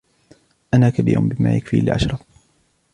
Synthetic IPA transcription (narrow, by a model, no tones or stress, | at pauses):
ʔanaːkabḭːɾʊmbɪma̰ːjakfḭlɪʕa̰ʃɾˤɑf